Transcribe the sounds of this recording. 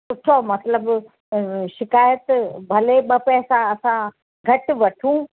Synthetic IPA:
pʊʈʰomɐt̪ləb | ʃɪkaːjət̪bʱɐleɓɐpɛɦsãɐsã | ɡʱɐʈʋɐʈʰũ

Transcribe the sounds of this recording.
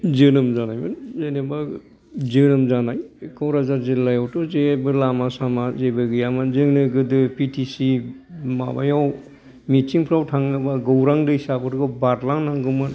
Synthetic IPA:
zɯnɯmzanajmɯnzaneba | zɯnɯmzanajkɔwɾazaɾzelːajawtɔzebɯlamasamazebɯɡɯjamanzɯŋnɯɡɯdɯpitʰisima̰ba̰jaw | mitiŋpʰɾawtʰaŋnɯbaɡowɾaŋdɯisabɯɾɡabaɾlaŋnaŋɡɯmɯ

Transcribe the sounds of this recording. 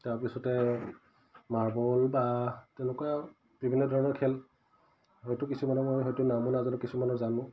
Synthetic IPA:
taɹpisɔtɛ | maɹbɔlbatɛʊ̃lʊkua | b̥ibʱinːɔdʱɔɹɔnɔɹkʰɛl | ɦɔjtʊkisumanɔmojɦɔjtʊnamɔnazɔnɔkisumanɔzanʊ̃

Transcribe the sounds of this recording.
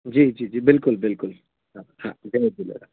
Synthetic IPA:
d͡ʒiːd͡ʒiːd͡ʒiːbɪlkʊlbɪlkʊl | ɦãhãd͡ʒebilḛɾa

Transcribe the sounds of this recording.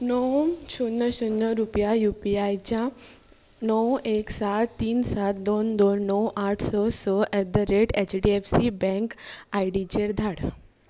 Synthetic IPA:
nɔwt͡ɕʰunːəɕunːəɾupjajupiajt͡ɕã | nɔweksat̪ːiːnsat̪̚d̪ond̪onːɔwʔaʈʰsɔsɔʔɛd̪əɾeʈet͡ɕɖiefsibɛ̃ŋkajɖit͡ɕeɾd̪ʱaɽ

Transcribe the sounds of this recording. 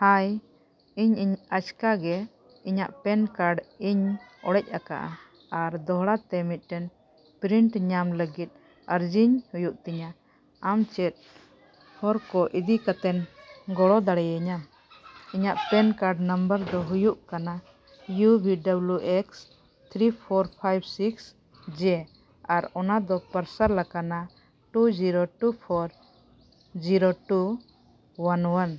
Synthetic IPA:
haj | iɲiɲat͡ʃkaɡɛ | iɲaʔpɛnkaɾɖiɲɔ̰ɽɛc̚ˀaka̰ʔa | aɾd̪ɔɦɽat̪ɛmit̪̚ˀʈɛn | pɾiɳʈɲamləɡit̪̚ˀ | əɾd͡ʒiɲhujuʔt̪ɛɲa | amt͡ʃɛt̪̚ | hɔɾkɔʔid̪ikat̪ɛnɡɔɽɔd̪aɽɛjəɲa | iɲaʔpɛnkaɾɖnəmbəɾd̪ɔɦujuʔkana | jubʱiɖabluʔɛks | t̪ʰɾipʰɔɾpʰajbsiks | d͡ʒɛ | aɾɔnad̪ɔpəɾsaɾlakana | ʈud͡ʒiɾoʈupʰɔɾ | d͡ʒiɾoʈu | wanwan

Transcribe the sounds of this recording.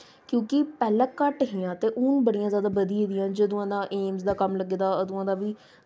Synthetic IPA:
kjõːkɪpɛːlɛ̃ːkəʈɦiãːt̪eːʔʊnbəɽijãːzjaːd̪aːbəd̪ieːd̪ɪjãːd͡ʒəəd̪ʊãːd̪ãːʔeːmzd̪aːkəmləɡeːd̪aːəd̪ʊãːd̪aːʋiː

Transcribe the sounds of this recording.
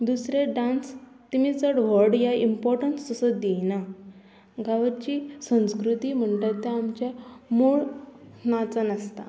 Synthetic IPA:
d̪usɾeɖans | t̪imit͡səɽʋəɾɖjaimpɔɾʈənsəsəd̪ejna | ɡaʋət͡ɕiːsə̃w̃skɾut̪iːm̤əɳʈ̪at̪ːjaːmt͡ɕamoɭnat͡sənast̪a̰

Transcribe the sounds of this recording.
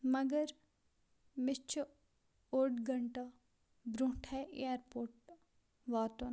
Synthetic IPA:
mɐɡəɾ | mɪt͡ʃʰ | oːɖɡɐɳʈɐ | bɾũːʈʰɛʔḛjaɾpoːɾʈ̚ | ʋaːt̪oːn

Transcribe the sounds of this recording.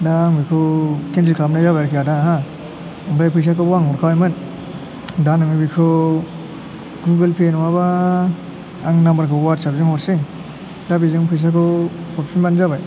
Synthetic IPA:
daŋbikʰɯkentɾikʰlapnazabajɾkʰiadaɦa | aŋpajpʰɯjs̬akɯbwaŋɦɔɾkʰawajmɯn | danɯmibikʰɯ | ɡlubelpʰenwaba | ŋnambaɾkʰɯwatsabzɯŋɔɾsiŋ | dabizɯŋpʰɯjs̬akʰɯpʰɔɾpsʰinbanzabaj

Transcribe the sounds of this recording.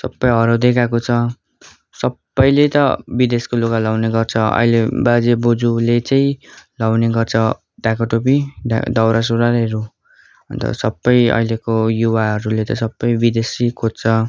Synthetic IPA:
sʌbːʌjɦʌɾʌd̪ekakot͡sʰʌ | sʌbːʌjlet̪ʌbid̪eskolokalawneɡʌrt͡sʰʌʌ̰ilebad͡zebod͡zulet͡saĩlawneɡʌrt͡sʰʌ | ɖakaʈop̬ia̰d̪ʌwɾas̬uɾaɾeɾu | ʌnt̪ʌ̰sʌbːʌjʌ̰ilekojuwaɦʌɾulet̪ʌsʌbːʌjbid̪esikʰott͡sʰʌ

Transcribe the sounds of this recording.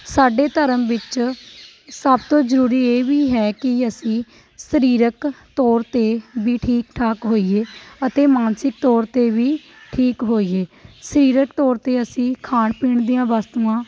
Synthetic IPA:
saːɖeːt̪əɾəmʋɪt͡ʃ | səbt̪õːzəɾuːɾiːeːʋiːɦɛːkɪəsĩː | səɾiːɾəkt̪ɔːɾt̪eːbiːʈʰiːkʈʰaːkɦoːiːeːət̪eːmaːnsɪk̚t̪ɔːɾt̪eːʋiː | ʈʰiːkɦoːiːeːsəɾiːɾəkt̪ɔːɾt̪eːəsĩːkʰaːɳpiːɳd̪ijãːʋaːst̪uːãː

